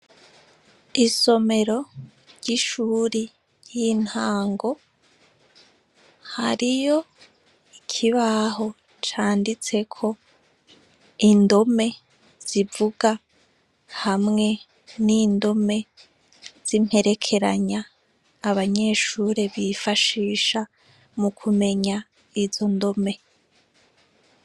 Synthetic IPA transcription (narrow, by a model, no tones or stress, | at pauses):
iso̞me̞ɾo̞ | ɾɟiʃuːɾi | jin̥haːŋɡo̞ | haɾijo̞ | ikʰiβaɦo̞ | t͡ʃaːndit͡se̞kʰo̞ | indo̞me̞ | z̥ivuɡa | hamŋe̞ | niːndo̞me̞ | z̥im̥he̞ɾe̞kʰe̞ɾaɲaː | βaɲe̞ːʃuːɾeβifaʃiːʃa | mukʰume̞ɲa | izo̞ndo̞me̞